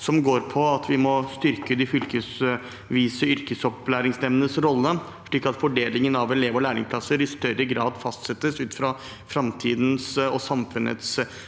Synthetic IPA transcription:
sɔmɡoːɾpʰɔɑt̪ʰʋɪmɔst̪ʏɾkəd̪ɪfʏlkəs | ʋiːsəʏɾkəsɔplæːɾɪŋsnɛmnənəsɾɔlːə | ʂɭiːkːɑt̪fɔɖeːlɪŋənɑʋɛleːʋɔlæːɾɪŋspʰlɑsəɾɪst̪œɾəɡɾɑːd̪fɑst̪sɛt̪ːəsʉːt̪fɾɑ | fɾɑmt̪ʰiːd̪n̩sɔsɑmfʉnə̰t̪s

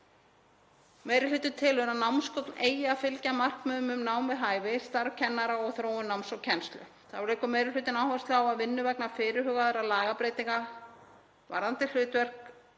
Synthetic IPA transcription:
meːjɾɪlʏːt̪ʏt̪ʰɪlʏnanawmskɔkneːjafɪlcamar̥kmœːmʏmnaːwnvɪðɦaːjvɪst̪aɾvcʰɛnːaɾaɔɣθɾoːwʏnawmsɔwcʰɛnst̪lʏ̰ | θaɾeːkʏmeːjɾɪlʏːt̪ɪnaːwhast̪lɪawaðvɪnːʏvɛknafɪːɾɪɾɦœːɣaðɛɾalaːɣapɾejt̪iŋka | va̰ɾðant̪ɪ̥l̥ʏːt̪vɛr̥k

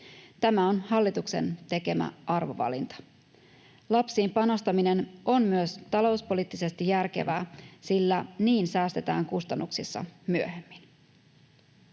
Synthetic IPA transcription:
t̪æmæo̞nhɑlːit̪ukse̞̰nt̪e̞ke̞mæ̰ʔɑrʋo̞̰ʋɑ̰lḭnt̪ɑ̥ | lɑpsiːmpɑno̞st̪ɑmine̞nʔo̞mmyøst̪ɑlo̞uspo̞liːt̪ːise̞st̪ijærkḛʋæːsilːæniːnsæːst̪e̞t̪æ̰ːŋkust̪ɑnːuksisːɑ̰myø̞̰hemːin

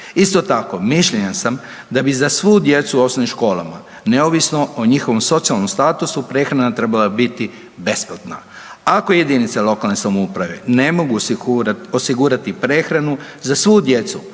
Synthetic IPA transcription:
ist̪o̞t̪ako̞miʃʎeɲasam | d̪abizasʋuud̪je̞t̪suopsonimʃko̞ːlˠa̰ma̰ | neoʋisno̞oɲixo̞ʋomso̞t̪sialno̞mst̪aːt̪usupɾe̞ːxɾanat̪ɾe̞balabit̪i | be̞splat̪na | akoje̞d̪init̪salo̞kalne̞samoupɾaʋe̞̰ne̞mo̞ɡu | o̞siɡuːɾat̪ipɾe̞ːxɾanuzasʋuud̪je̞t̪su

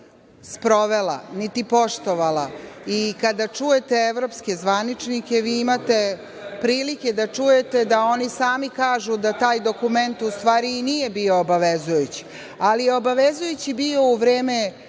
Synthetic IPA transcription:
spɾo̞ʋela̰nit̪ipo̞ʃt̪o̞ʋalˠaikad̪at͡ʂuje̞t̪eeʋɾo̞pske̞zʋanit͡ʂnikʲe̞ʋiːimat̪e̞ | pɾiːlikʲed̪at͡ʂuje̞t̪e̞d̪ao̞nisaːmikaːʒud̪at̪aːjd̪o̞kume̞nt̪ust̪ʋaːɾiːnijebio̞ːbaʋezujut͡ɕi̥ | alije̞o̞baʋezujut͡ɕibio̞uʋɾeːme̞

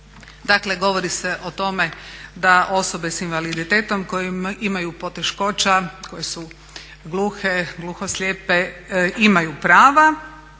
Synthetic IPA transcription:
d̪akle̞ɡo̞ʋoɾiseʔo̞t̪o̞me̞d̪aʔo̞so̞be̞sinʋalid̪it̪eːt̪o̞mko̞jimimajupo̞t̪e̞ʃko̞t͡ʃako̞jesu | ɡlˠuːxeɡluːxoslʲeːpeimajupɾaːʋa

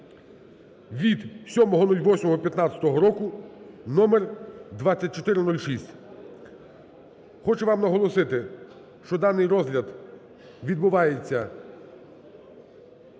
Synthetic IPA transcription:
ʋʲid̪sʲɔmɔɦɔnɔlʲʋɔsʲmɔɦɔpʲjɐt̪nɑt͡sʲɐ̥t̪ɔɦɔɾɔkʊnɔmerd̪ʋat͡sʲːɐt̚ʲt͡ʃɔt̪ɪɾɪnulʲʃisʲtʲ | xɔt͡ʃɛʋɑmnɐɦɔlˠɔsɪt̪ɪ | ʃt͡ʃɔd̪ɑnɪjrɔzlʲɐd̪ | ʋʲid̪̚bʊʋɑjet͡sʲːɐ

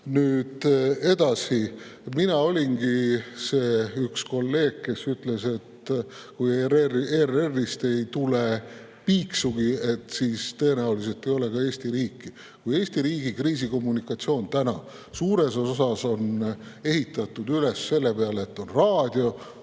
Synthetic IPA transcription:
nyːd̪̥e̞d̪̥ɑsiminɑo̞lʲinɡise̞ːyksko̞lːe̞ːɡ̥̚ke̞syt̪le̞se̞t̪kujeerererːist̪e̞jt̪ule | piːksuɡ̥ie̞t̪ːsiːst̪ɤenæulise̞lt̪ːˑe̞jo̞le̞kɑe̞ːsʲt̪iɾiːkːi | kuje̞ːsʲt̪iɾiːɡ̥ikriːs̬iko̞mːunikːˑɑt̪sio̞ːnt̪ænɑ̰ | suːɾe̞so̞sɑso̞ne̞ɦit̪ːˑɑt̪ˑːud̪yle̞sːe̞lːepeɑlet̪ːˑo̞nrɑːd̪̥ʲjo̞

